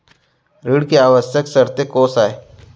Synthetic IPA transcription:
ɾiːɽkeaːʋəsjəksəɾt̪ekoːsaːe

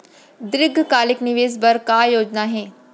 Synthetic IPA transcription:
d̪ɾɪɡʱkaːlɪknɪʋeːzbɐɾkaːjoːd͡ʒnaɦẽː

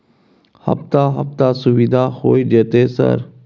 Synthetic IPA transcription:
hə̰pt̪aːɦəft̪aːsʊʋid̪aːxoːiːd͡ʒeːt̪eːsə̰ɾ

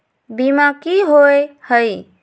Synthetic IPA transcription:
bimakiɦoehəj

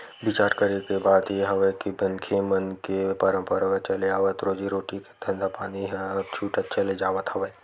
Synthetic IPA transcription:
bɪt͡ʃaːɾʈkɐɾekebaːd̪jeɦɐʋəkibɐ̃nkʰemɐnkepɐɾə̃mpəɾaʋət͡ʃɐleaːʋət̪ɾoːd͡ʒiɾoːʈiket̪ʰɐ̃nd̪apaːniɦɛɔt͡ʃʰuːʈət̪̚t͡ʃʰɐled͡ʒaːʋət̪ɦɐʋəː

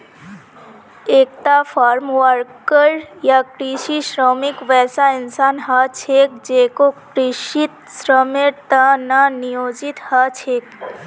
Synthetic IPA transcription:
eːk̚t̪afʰaːɾmʋəɾkəɾjakɾiʃiʃɾɔːmɪkʋɛːsaɪnsaːnɦat͡ʃʰeːk̚d͡ʒeːkokɾɪʃɪt̪sɾəmeɾt̪ananɪjoːd͡ʒɪt̪hat͡ʃʰeːk̚

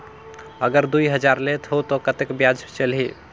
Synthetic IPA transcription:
əɡəɾd̪ujɦəd͡ʒaɾlet̪ʰɦot̪ɔkət̪ekbjad͡ʒt͡ʃəlɦi

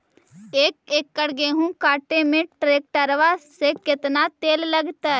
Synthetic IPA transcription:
eːkeːkːəɽɡeːɦũkaːʈemẽʈɾeːk̚ʈəɾʋasekɪt̪nat̪eːlləɡt̪a

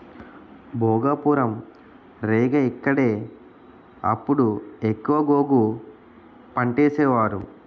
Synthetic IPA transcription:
bʱoːɡaːpuːɾɐm | ɾeːɡɐikːɐɽeː | ɐ̰pːuɽuekːuʋɐɡo̞ːɡu | pɐɳʈeːsɛːʋaːɾṵ

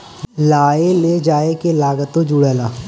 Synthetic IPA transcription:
laːeled͡ʒaːekelaːɡət̪õd͡ʒuɽɛːlaː

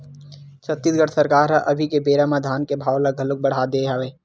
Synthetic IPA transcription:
t͡ʃɐt̪ːɪsɡəɽsɐɾkaːɾɦaʔɐbʱikebeːɾamad̪ʱaːnkebʱaːwlaɡʱɐlʊk̚bɐɽ̤aːd̪eːɦaʋeː

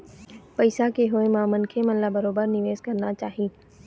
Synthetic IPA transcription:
pɐɪsakeɦoːemãmʊn̆kʰemɐnlabɐɾoːbəɾnɪʋeːzkɐɾnat͡ʃaːɦiː

